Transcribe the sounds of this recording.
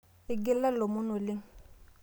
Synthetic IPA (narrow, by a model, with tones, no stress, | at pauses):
ɪ˨ɡɪ˦la˦lo˨mʊ˦nʊ˨lɪ˦ŋ̩